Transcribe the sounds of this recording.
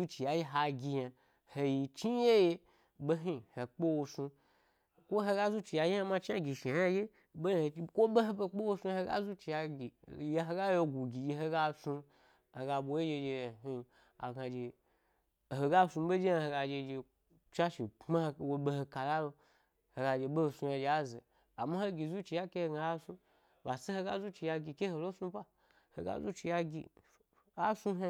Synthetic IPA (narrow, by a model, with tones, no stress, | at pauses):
u˦t͡ʃi˨ja˨ji˦ɦa˧ɡʲi˧ja˧ | he˧ji˧t͡ʃi˦je˦je˧ | ɓe˦ɦi˦˨he˨k͡pe˦wo˧su˧ | kʷo˦ɦe˧ɡa˦zu˦t͡ʃi˨ja˧ji˦ja˧ma˧t͡ʃi˦a˦ɡʲi˨ʃe˨ja˦je˦ | ɓe˦˨e˧˦kʷo˦ɓe˦ɦe˧be˧k͡pe˦wo˧su˧˦he˧ɡa̰˦zu˦t͡ʃi˧˨ja˧ɡi˨je˧ɦe˧ɡa˦jo˧ɡʷu˨ɡʲi˨ji˧ɦe˧ɡa˦su˧ | he˨ɡa˧ɓʷo˨je˦d͡ʒe˧d͡ʒe˧˨ɦi˦˨ | a̰˨ɡa˨d͡ʒe˨ | ɦo˨ɡa˦su˧˦ɓe˦d͡ʒi˦˧he˧ɡa˧d͡ʒe˧d͡ʒe˧ | t͡ʃa˦ʃi˨ma˦hwo˧ɓe˧ho˧ka˨la˦lo˧ | he˨ɡa˧d͡ʒe˧ɓe˦ho˧su˧ja˧d͡ʒe˧˨a˦zḛ˨ | a˨ma˦ho˦ɡʲi˨zu˦t͡ʃi˧ja˦ke˦he˧ɡa˧˦a˦su˦ | ba˨se˦he˧ɡa˦zu˦t͡ʃi˧ja˧ɡʲi˧ke˦ho˧lo˦su˧˦pa˦ | he˧ɡa̰˦zu˦t͡ʃi˧ja˧ɡʲḭ˧ | a˦su˧ɦe˧